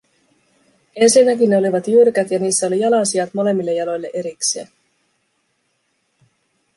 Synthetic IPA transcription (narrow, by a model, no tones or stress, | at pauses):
e̞nsinːækinːeo̞liʋɑt̪jyrkæt̪jɑniːsːæo̞lijɑlɑsiɑt̪mo̞le̞mːilːejɑlo̞jlːe̞ʔe̞ɾikseæ